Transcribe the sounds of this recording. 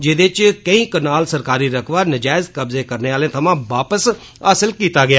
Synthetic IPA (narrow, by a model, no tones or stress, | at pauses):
d͡ʒeːd̪et͡ʃkəĩːkənaːlsəɾkaːɾiːɾəkʰʋaːnəd͡ʒaːɪzkəbzeːkəɾneːaːlẽːt̪ʰəmãːʋaːpəs | aːsəlkiːt̪aːɡɪaː